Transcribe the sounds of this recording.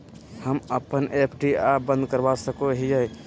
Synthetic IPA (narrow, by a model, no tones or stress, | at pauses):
həməpənepʰʈiabə̃nd̪kəɾbasəkoɦijəj